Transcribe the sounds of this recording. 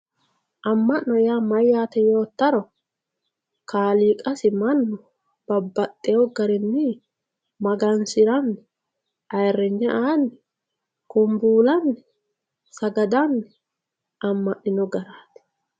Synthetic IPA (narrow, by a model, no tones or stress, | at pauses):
ʔɐmːɐʔɔjamɐjaːt̪ɛjo̞ːt̪ːɐɾɔ | kʰaːliːkʼɐsɪmɐnːɔ | b̥ɐbːɐt̪ʼːɛjɔɡɐɾɪnːɪ | mɐɡɐnsɪɾɐnːɛ | ɐjrːɛɲːɛʔaːnːɛ | kʊmbuːlɐnːɛ | sɐɡɐd̪ɐnːɛ | ɐmːɐʔnɪnɔɡɐɾaːt̪ɛ̥